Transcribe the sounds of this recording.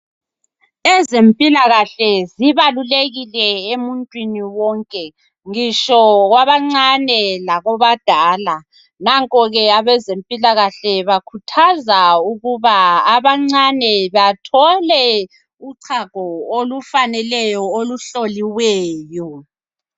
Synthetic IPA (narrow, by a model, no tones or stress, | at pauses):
ezempʼilaɣaɬɛziβaluleɣilɛemuntʼwiniwɔŋkʼɛ | ŋiʃɔɣwaβaŋ͡ǀanɛlaɣɔβad̥ʱaːla | naŋkʼɔɣɛaβɛzempʼilaɣaɬɛβakʰutʰazauɣuβaaβaŋ͡ǀanɛβatʰɔlɛ | uǀʰaɡ̥ʱɔolufanɛlɛjɔoluɬoliwɛːjɔ